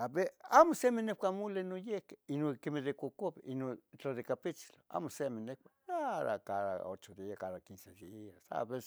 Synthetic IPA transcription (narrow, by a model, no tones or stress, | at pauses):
abeamosemenehkʷamolenojehke̥inokemeðekʷokoβeʔinot͡ɬaðekapit͡ʃi̥loa̰mosemenehkʷaaða̰kaða̰o̰t͡ʃod̪iakaðakinseliasa̰βes